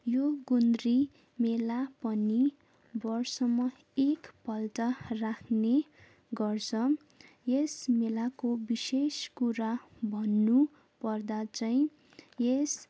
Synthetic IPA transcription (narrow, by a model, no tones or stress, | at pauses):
joɡund̪ri | melapʌni | bʌrsʌmːʌ | ekpʌltʌrakʰne | ɡʌrt͡sʰʌ | jesmelakobiseskuɾabʱʌnːu | pʌrd̪at͡sʌĩ | jes